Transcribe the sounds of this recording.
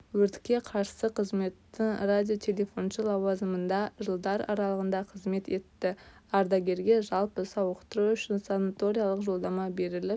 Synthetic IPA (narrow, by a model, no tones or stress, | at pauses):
wɵɾt̪ɪ̥kʲːe̞qʰɑɾsəqʰəzme̞t̪ːɪɴradʲijo̞t̪ʲʰe̞lʲe̞fo̞nʃəlˠɑwɑzəmənd̪ɑʒəlˠd̪ɑɾɑ̰ɾɑlˠəʁənd̪ɑqʰəzme̞t̪e̞t̪ːɪɑɾd̪ɑɡʲe̞ɾɡʲe̞ʒɑlˠpəsɑwəqt̪əɾuʏʃɪnsanat̪o̞ɾijalˠəqʒo̞lˠd̪ɑmɑbe̞ɾɪlɪp̚